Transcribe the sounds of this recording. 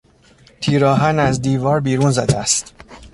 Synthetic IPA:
t̪ʰiːɾɒːɦænæzd̪iːvɒːɾbiːɾunzæːd̪eæst̪

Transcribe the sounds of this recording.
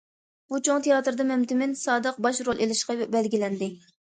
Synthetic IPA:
but͡ʃʰoŋt̪ʰejɑːt̪ɾɨd̪ɨmɛmt̪ɪmɪnsɑːd̪əq̚bɑʃɾolˠʔelɪʃqɑbɛlɡʲilɛnd̪ɪ

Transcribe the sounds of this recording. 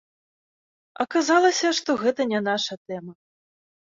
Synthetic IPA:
ɐkazalˠɐsʲɐʂt̪ɔɣɛt̪ɐnʲɛn̪aʂɐt̪ɛmɐ

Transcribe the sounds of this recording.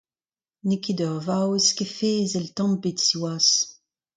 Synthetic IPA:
nekedœʁvaweskefeːzelt̪ɑ̃mbetsiwaːs

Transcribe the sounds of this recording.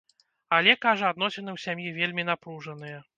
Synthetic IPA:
alʲɛkaʐɐad̪nɔsʲɛnɨwsʲamjivʲelʲmʲin̪apɾuʐɐnɨjɛ

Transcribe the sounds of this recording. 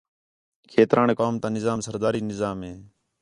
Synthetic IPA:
kʰeːt̪ɾʔaːɳeːkaːmt̪ãːnɪzaːmsəɾd̪aːɾiːnɪzaːmɦeː

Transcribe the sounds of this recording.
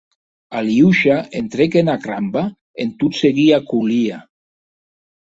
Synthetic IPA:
aliuʃaent̪ɾekenakɾamba | ent̪ut̪seɣiakulia

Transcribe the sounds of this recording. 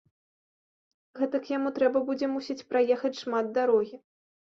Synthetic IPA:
ɣɛt̪ɐkjamut̪ɾɛbɐbud͡zʲɛmusʲit͡sʲpɾʔajɛxɐt͡sʲʂmad̪̚d̪aɾɔɣʲi

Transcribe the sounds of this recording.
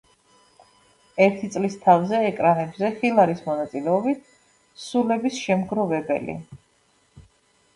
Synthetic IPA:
ɛɾt̪ʰit̪sʼlist̪ʰavzɛːkʼɾanɛbzɛχilˠaɾismɔnat̪sʼilɛɔbit̪ʰ | sulɛbisʃɛmɡɾɔvɛbɛ̰lḭ

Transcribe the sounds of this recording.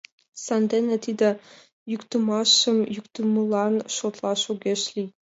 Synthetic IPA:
sɑnd̪enĕt̪id̪ɘ̆ | jykt̪əmɑʃə̆mjykt̪uməlˠɑnʃot̪lˠɑʃuɡʲeʃlʲi

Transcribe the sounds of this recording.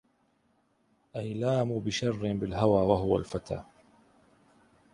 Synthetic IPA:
ʔajlaːmubɪʃɑrˤːɪbɪlɦawaːwaɦʊwa̰lfat̪a̰ː

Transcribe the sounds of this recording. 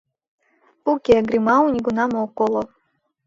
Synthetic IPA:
ukʲeɡɾimaunʲiɡunamoːkolˠo

